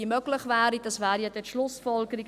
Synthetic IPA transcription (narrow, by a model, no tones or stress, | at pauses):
əmøɡ̥ləχvæːɾid̥ɑsvæːɾjɛdɛtʃlʊsfɔlɡəɾiɡ